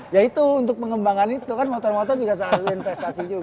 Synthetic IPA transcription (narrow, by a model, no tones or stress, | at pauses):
jait̪uːnt̪ʊk̚pəŋəmbaŋanit̪ukanmot̪ɔrmot̪ɔrd͡ʒuɡas̬aːt̪infɛst̪asid͡ʒu